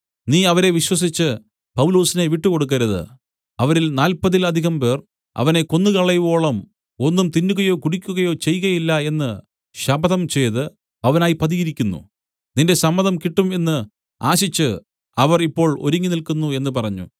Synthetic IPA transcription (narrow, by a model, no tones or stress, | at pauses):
niːɐʋɐɾe̞ʋiɕwɐs̬it͡ɕːɨ | pɐwulo̞ːsineʋiʈːɨko̞ɽuk̬ːɐɾɐðɨ̰ | ɐʋɐɾilnaːlpɐðilɐd̪ʱiɣɐmpe̞ːr | ɐ̰ʋɐne̞ko̞nːɨkɐɭːɐjʋo̞ːɭɐm | o̞nːumt̪inːuɣɐjo̞ːkuɽikʲːuɣɐjo̞ːt͡ɕe̞jɣɐjilːɐe̞nːɨ | ɕɐbɐðɐmt͡ɕe̞jtðɨ | ɐʋɐnaːjipɐðiɣɐɾikʲːunːṵ | ninde̞sɐmːɐðɐmkiʈːume̞nːɨ | a̰ːɕit͡ɕːɨ | ɐʋɐripːo̞ːɭo̞̰ɾuŋːinilkunːue̞nːɨpɐrɐɲːṵ